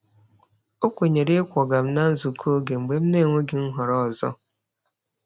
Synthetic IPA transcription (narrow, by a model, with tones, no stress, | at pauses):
o˦kʷe˨ɲe˨ɾe˦kʷɔ˨ɡa˨m̩˦na˦n̩˦zu˨kʰo˦ɡe˨ŋ͡m̩˨ɡ͡be˦m̩˦ne˦˨ŋʷe˦ɡɪ˨ŋ̩˦ɦʊ˨ɾɔ˦˨zɔ̰˦